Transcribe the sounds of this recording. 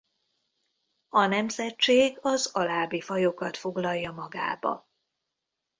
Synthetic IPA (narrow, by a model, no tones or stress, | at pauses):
ɒnɛmzɛtt͡ʃeːɡɒzɒlaːbifɒjo̞kɒt̪fo̞ɡlɒjːɒmɒɡa̰ːbɒ̰